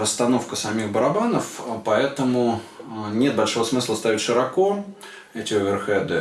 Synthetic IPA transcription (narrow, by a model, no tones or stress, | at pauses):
əst̪ɐno̞fkəsɐmʲixbəɾɐbanəfpɐɛt̪əmʊnʲe̞t̪̚bɐlʲʂo̞vəsmɨslˠəst̪avʲɪtʲʂɨɾɐko̞ | ɛtʲɪʊvʲɪrxɛd̪ɨ